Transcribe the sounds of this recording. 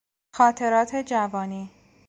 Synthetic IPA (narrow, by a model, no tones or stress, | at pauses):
xɒːt̪ʰe̞ɾɒːt̪ʰe̞d͡ʒævɒːniː